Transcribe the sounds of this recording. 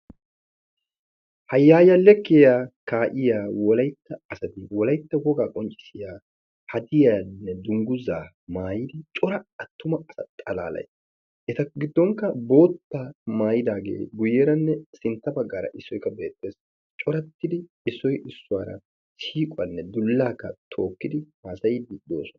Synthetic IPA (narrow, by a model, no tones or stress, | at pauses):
hɐjːaːjɐlɛkːɪjaːkaːʔɪjaːwɔlɐjt̪ːɐːsɐt̪ɪwɔlɐjt̪ːɐwɔɡaːkʼɔnt͡ʃʼɪ̥sɪjaː | hɐd̪ɪjaːnːɛd̪ʊŋɡʊzaː | maːjɪd̪ɪt͡ʃʼɔɾɐɐt̪ːʊmɐɐsɐt̪ʼɐla̰ːlɐ̰js | ʔɛt̪ɐɡɪd̪ːɔŋkːɐbo̞ːt̪ːaːmaːjɪd̪aːɡḛːɡʊjːɛɾɐnːɛsɪnt̪ːɐbɐɡːaːɾɐ̰ʔɪsːɔjkːɐbe̞ːt̪ːeːs | t͡ʃʼɔɾɐt̪ːɪd̪ɪ | ɪsːɔjʔɪsːʊwaːɾɐ̰ | siːkʼʊɐnːɛd̪ʊlːaːkːɐt̪ʰo̞ːkːɪd̪ɪmaːsɐjd̪ɪd̪o̰ːsɔnɐ